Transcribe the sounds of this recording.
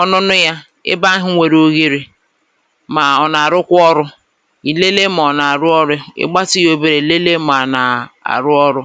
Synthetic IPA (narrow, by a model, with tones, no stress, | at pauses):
ɔ˦nʊ˦nʊ˦ja˦ | ɪ̰˦ba˦ɦɪ˦ŋʷe˨ɾo˦ɣe˦ɾi˦ | ma˨ɔ˨na˨ɾʊ˦kʷʊ˦ɔ˦ɾʊ˦ | i˨le˦le˦m˨ɔ˨na˨a˨ɾʊ˦ɔ˦ɾʊ˦ɪ̰˦ɡ͡ba˦tɪ˦jo˦be˨ɾe˨le˦le˦m˨a˨na˨a̰˨ɾʊ˦ɔ˦ɾʊ˦